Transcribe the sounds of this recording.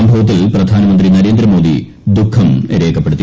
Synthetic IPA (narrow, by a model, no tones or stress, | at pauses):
ɐmbʱɐʋɐt̪̬ːilprɐd̪ʱaːnɐmɐnd̪rinɐɾe̞ːnd̪ɾɐmo̞ːd̪ḭ | d̪ukʰːɐmeɾeːkʰːɐpːe̞ɽut̪ːi